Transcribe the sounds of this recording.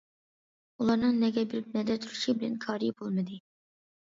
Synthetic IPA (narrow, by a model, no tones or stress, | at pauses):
ulˠɑɾnɨŋnɛɡʲɛbɪɾɪp̚nɛd̪ɛt̪ʰuɾuʃibɪlɛnkʰɑːɾibolˠmɨd̪ɨ